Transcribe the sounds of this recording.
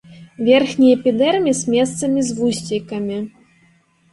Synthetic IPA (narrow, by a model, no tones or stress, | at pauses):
vʲɛrxnʲijɛpʲid̪ɛrmʲisʲmʲɛst̪sɐmʲizvusʲt͡sʲikɐmʲi